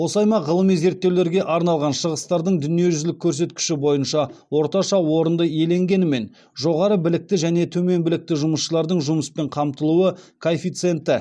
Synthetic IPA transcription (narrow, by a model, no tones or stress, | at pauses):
wo̞sɑjmɑʁəlˠəmize̞ɾt̪ːewle̞ɾɡʲe̞ʔɑɾnɑlˠʁɑnʃəʁəst̪ɑɾd̪əɴd̪ʏnije̞ʒʏzlɪkʲʰːɵɾs̬e̞t̪̚kʲɪ̥ʃɪbo̞jənʃɑwo̞ɾt̪ɑʃɑwo̞ɾənd̪əje̞le̞ŋɡʲe̞nɪme̞n | ʒo̞ʁɑɾəbɪlɪk̚t̪ɪʒæne̞t̪ʰɵme̞nbɪlɪk̚t̪ɪʒʊməsʃəlˠɑɾd̪əɴʒʊməspe̞ɴqʰɑmt̪əlˠuwəkʰoefijt̪sɨe̞nt̪ɪ